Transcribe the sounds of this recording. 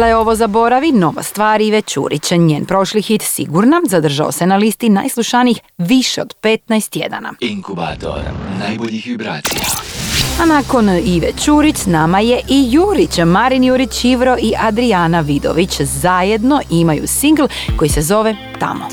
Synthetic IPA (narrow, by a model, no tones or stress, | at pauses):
lao̞ʋozabo̞ɾaʋino̞ʋa̰st̪ʋaːɾiʋet͡ɕṵːɾit͡ɕɲeːnpɾo̞ʃlixit̪sḭɡuɾnazad̪r̩ʒa̰o̰se̞nalist̪ina̰jslˠuʃaniixʋiʃeo̞d̪̥pe̞t̪najst̪je̞̰d̪a̰na̰iŋkubat̪o̰ɾ̰najboʎiʋibɾaːt̪sijaanako̞niʋet͡ɕuɾit͡ɕsnamaje̞ʔijuːɾit͡ɕmaɾinjuːɾit͡ɕiʋɾo̞ʔiʔad̪ɾianaʋid̪o̞̰ʋit͡ɕzaje̞d̪no̞ʔimajṵsiŋɡl̩ˠko̞jisezo̞ʋe̞ | t̪a̰mo̰